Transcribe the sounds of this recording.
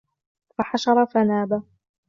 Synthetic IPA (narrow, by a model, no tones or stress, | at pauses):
faħaʃɑɾˤɑfanaːba